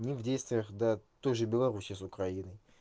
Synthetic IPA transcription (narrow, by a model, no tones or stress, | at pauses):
nʲɪvdʲejst̪vʲɪjəxd̪at̪ojʐɨbʲɪlˠɐɾusʲɪjəsʊkɾɐinɨj